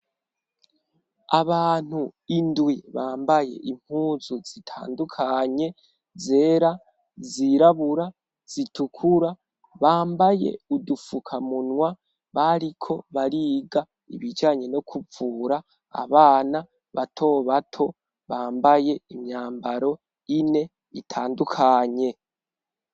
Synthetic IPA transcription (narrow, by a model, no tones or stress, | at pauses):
aβaːn̥huindwiβaːmbaje̞̰ʔim̥huːzuzitʰa̰ːndukʰaɲe̞ | zeːɾa | ziɾaβuɾa | z̥itukʰuɾa | βaːmbaje̞̰udufukʰamunwa | βaɾikʰo̞βaɾiːɡa | ḭβid͡ʒaːɲe̞no̞kʰuvuːɾa | a̰βaːna | βatʰo̞ːβatʰo̞ | βaːmbaje̞imɲaːmbaɾo̞ | ine̞ | itʰaːndukʰaɲe̞